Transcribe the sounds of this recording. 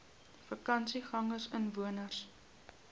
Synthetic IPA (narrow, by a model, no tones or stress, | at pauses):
fəkɐnsiχɐŋərsənvuənərs